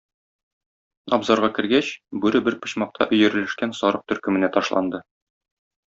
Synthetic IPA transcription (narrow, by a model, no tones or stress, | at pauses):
ɒbzɑɾʁɑkɘ̆ɾɡæɕbʉɾɘbɘɾpɤ̆ɕmɑq̚t̪ʰɑ̰ʔɵ̆jɘ̆ɾɘ̆lɘ̆ʃkænsɒɾɤq̚t̪ɵ̆ɾkɘ̆mɘ̆næt̪ɒʃlˠɑ̰nd̪ɤ